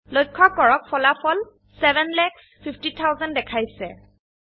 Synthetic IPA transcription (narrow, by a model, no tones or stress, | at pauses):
lojkʰːɔkːɔɹɔk̚fɔlapʰɔl | sɛbɛnlɛks | pʰiptitʰawzɛndɛkʰajsɛ